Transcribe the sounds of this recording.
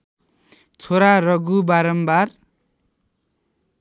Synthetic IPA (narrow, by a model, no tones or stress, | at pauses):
t͡sʰoɾarʌɡubaɾʌmbar